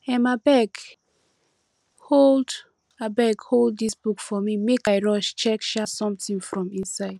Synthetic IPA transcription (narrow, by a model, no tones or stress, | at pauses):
ɛ̃nmabɛk | hold | abɛɡholddisb̥ukfɔmimekaɪɹɔʃt͡ʃɛkʃasɔ̃mtĩŋfɹɔ̃mĩnsaɪd̥